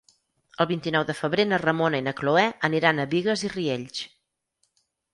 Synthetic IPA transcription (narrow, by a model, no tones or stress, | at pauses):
əlˠβint̪inɔwðəfəβɾenərəmonəinəkloɛəniɾanəβiɣəzirieʎt͡ʃ